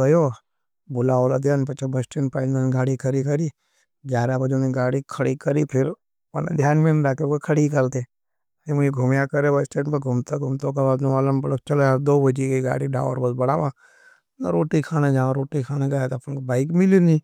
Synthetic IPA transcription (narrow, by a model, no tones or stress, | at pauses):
əjo | bʊlaːolad̪jaːnpɐt͡ʃebəsʈeːnpaɪnmenɡaːɽikʰəɾikəɾi | d͡ʒjaːɾabəd͡ʒoniɡaːɽikʰɐɽikəɾipʰɪɾ | ɐna̰d̪ʱjaːnmenɾaːkeokekʰəɽikəlt̪e | emʊiɡʱʊmjakəɾebəsʈeːnpeɡʱʊmt̪aɡʱʊmt̪õk̬ebaːd̪d͡ʒõaləmbɐɽt͡ʃəled̪oːbəd͡ʒikeɡa̰ːɽiɖa̰ːʋə̰ɾbəsbɐɽaːʋã | naɾoːʈikʰaːned͡ʒaːãɾoːʈikʰaːneɡɐjat̪ɐpnkobaːɪkmɪlinĩː